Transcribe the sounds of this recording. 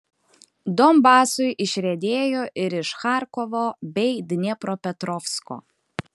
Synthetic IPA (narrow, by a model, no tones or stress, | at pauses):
d̪ɔmbɑːsʊjʔɪʃʲɾʲɛd̪ʲeːjoːʔɪɾɪʃxɑˑɾkɔʋoːbʲɛɪd̪ʲnʲɛpɾoːpʲɛt̪ɾɔfsko̰ː